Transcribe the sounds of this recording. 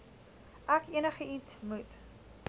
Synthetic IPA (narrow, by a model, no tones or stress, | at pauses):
ʔækiənəχəitsmut